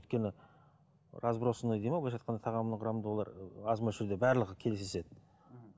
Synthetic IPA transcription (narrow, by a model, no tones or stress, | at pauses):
ʏjt̪̚kʲe̞nɪ | ɾʔɑzbɾosənəjd̪ejmɑbolˠɑʒɑt̪̚qɑnd̪ɑt̪ʰɑʁɑmnəɴqʰʊɾɑmd̪əwo̞lˠɑ̰ɾɑzmɑʒɪɾd̪ebæɾlˠəʁəkʲʰelɪsese̞d̪ɪ